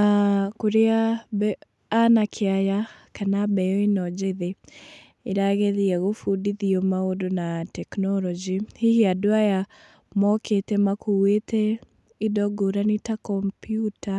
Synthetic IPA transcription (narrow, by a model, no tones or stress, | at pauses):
akoɾeabɛː | nakʰeajakanabɛɔinɔd͡ʒeðe | eɾaɣeðiɛɣofudiðiɔmaodonatɛknɔɾɔd͡ʒihihiadoaja | mɔkʰetɛmakuetʰɛ | idɔɡoɾanitakɔmpjuta